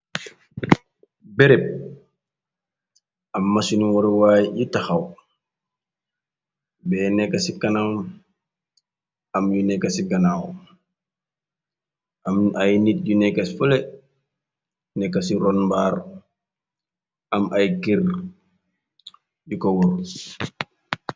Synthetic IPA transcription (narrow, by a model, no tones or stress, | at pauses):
bɛɾɛp̚ | ɐmːasunwɔɾwajjutaxaw | bɛːnɛkːɐsikɐnam | ɐmjunɛkːɐsiɡɐnaw | amajnit̚ɟunɛkːɐsifolɛ | nɛkːɐsiɾɔnbaːɾ | ɐmʔɐjkir | jukɔwɔɾ